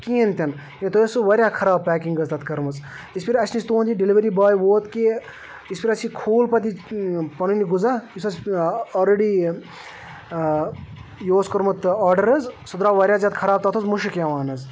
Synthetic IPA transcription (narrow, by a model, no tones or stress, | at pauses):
kiːɐnt̪ʲɐn | int̪ojɐsuʋɐɾʲjaːkʰɐɾaːb̚pɛːkiŋɡɐzt̪ɐt̪kɐɾmɐt͡s | ispʰiɾɐsʰnist̪uːnd͡ʒ̪iɖiliʋɐɾibaːjʋoːt̪ki | ispʰiɾɐt͡ʃʰikʰuːlpɐt̪ipɐnuniɡuzaːisɐsɔːlɾeɖi | joːskɐɾmɐt̪ɔːɾɖɐɾɐzsɐd̪ɾaːʋɐɾʲjaːzjaːd̪̚kʰɐɾaːb̚t̪ɐt̪ʰuzmuʃɨkjaʋaːnɐz